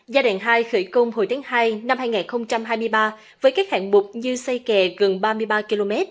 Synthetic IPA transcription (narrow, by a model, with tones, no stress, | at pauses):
zaː˧ɗaː˧˨˩ŋɦaː˧jxə˧˩jkə˧wŋ͡mho˨˩jt̪ʰːŋɦaː˧jna˧mhaː˧jŋaː˨˩nxə˧wŋ͡mt͡ɕa˧mɦaː˧jmɨ˧əjɓaː˧ | vəː˨˦jkaː˦˥k̚ha̰ː˧˨˩nɓʊ˨˩k͡p̚ɲɨ˧sa˧jkɛ˨˩ɣə˨˩nɓaː˧mɨ˧əjɓaː˧ki˧lo˧mɛ˦˥t̚